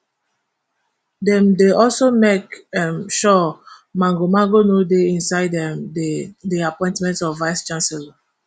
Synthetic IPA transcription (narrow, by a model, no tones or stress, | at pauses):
dɛ̃mdeɔlsomekɛmʃɔmãŋɡomãŋɡonodeĩnsaɪdɛ̃mdiapɔ̃ɪ̃ntmɛ̃ntɔfvaɪst͡ʃãnsɛla